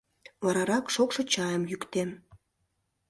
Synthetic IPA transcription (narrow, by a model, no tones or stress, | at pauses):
βɑɾɑɾɑkʃokʃɤ̆t͡ɕɑjəmjykt̪em